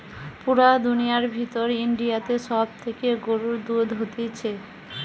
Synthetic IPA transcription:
puɾad̪unijaɾbʱit̪oɾiɳɖijat̪eʃɔb̚t̪ʰekeɡoɾuɾd̪ud̪ɦot̪et͡ɕʰe

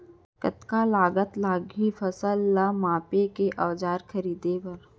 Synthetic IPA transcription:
kət̪kalaːɡət̪laːɡifɐsəlːamaːpekeʔɐʋd͡ʒaːɾkʰɐɾiːd̪epɐɾ

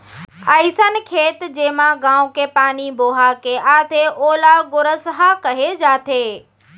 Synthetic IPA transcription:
əisənɪ̆kʰeːt̪d͡ʑeːmãɡãːũkepaːniboːɦakeʔaːt̪ʰeʔoːlaɡʊɾəsɦakɐɦed͡ʑaːt̪ʰeː

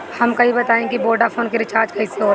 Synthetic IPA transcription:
hɐmkɐɦĩbɐt̪aːẽkiboːɖafʰoːnkeɾɪt͡ʃaːɾd͡ʒkɐiseɦoːɾ

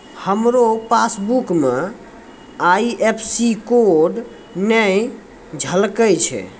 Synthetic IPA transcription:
həmɾopasbukme | ajiʔepʰsikoɖ | nəj | d͡ʒʱəlkət͡ʃʰɛ̰

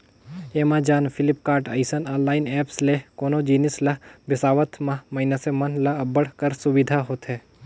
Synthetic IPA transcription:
eːmãd͡ʒaːnfʰɪlɪpkaːɾʈɐ̰ɪsənɔ̃ːnlaːɪnɛːpslekoːnod͡ʒiːnɪslɐbɪsaːʋət̪ʰmãmɐɪnasemɐnlɐɐbəɽ̤kəɾsʊʋɪd̪ʱaɦoːt̪ɦɛː

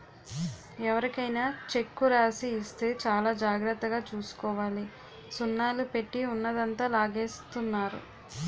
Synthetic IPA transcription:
ɛʋɐɾikɐjnaːt͡ʃe̞kːuɾaːsiːst̪e̞ːt͡ʃaːlaːd͡ʒaːɡɾɐt̪ːɐɡaːt͡ʃuːsu̥kɔːʋaːli | sunːaːlupe̞ʈːiunːɐd̪ɐnt̪aːlaːɡeːst̪unːaːɾṵ

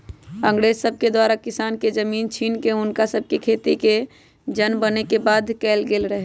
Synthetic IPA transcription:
ə̃ŋɡɽeːzsəb̚ʱked̪waːɾakɪsaːnked͡ʒəmiːnt͡ʃʰiːnkeʊnkasəb̚kekʰeːt̪ike | d͡ʒənbənekebaːd̪kɛːlɡeːlɾəɦe

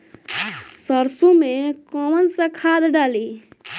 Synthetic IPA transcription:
səɾsũmẽkɔːwənsẽkʰaːd̪ɖaːliː

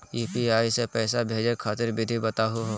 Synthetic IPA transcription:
iːpiaːisepɛːsabʱeːd͡ʒekʰaːt̪ɪɾbɪd̪ʱibɐt̪aɦuɦoː

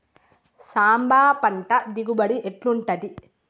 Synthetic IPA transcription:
saːmbaːpɐɳʈɐd̪iɡubɐɽiʔeʈluɳʈɐd̪i

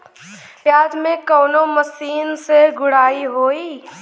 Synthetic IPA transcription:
pjaːd͡ʒmẽkəːnoməsiːnseɡʊɽaːiɦoːiː

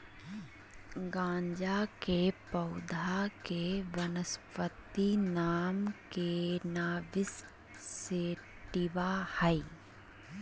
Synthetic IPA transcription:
ɡãːɲd͡ʒakepəʊd̪ʱakeʋənəspət̪inaːmkenaːʋɪs | seː | ʈɪʋahəi

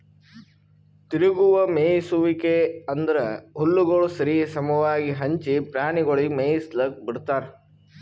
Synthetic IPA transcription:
t̪iɾuɡuʋɐmeːjisuʋikeɐnd̪ɐɾɐɦulːuɡɐɭusɐɾisɐmɐʋaːɡiɦɐɲt͡ʃipɾaːɳiɡoɭimeːjislɐk̚biɽt̪aːɾe

